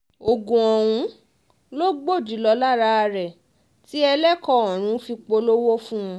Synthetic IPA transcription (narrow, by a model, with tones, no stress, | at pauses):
o˨ɡũ˨ɔ˨w̃ũ˧˦ | lo˦ɡ͡bo˦˨d͡ʒi˨˦lɔ˧la˦ɾa˧ɾɛ˨ | ti˦ɛ˧lɛ˦kɔ˦˨ɔ̃˨ɾ̃ũ˨˦fi˧k͡po˧lo˦wo˦fũ˦ũ˧˦